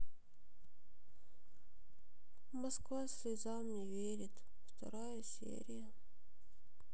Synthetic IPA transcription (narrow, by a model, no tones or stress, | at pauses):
mɐskvasʲvʲɪzalˠnʲɪvʲeɾʲɪt̪ | ft̪ɐ̰ɾajəsʲḛɾʲɪjə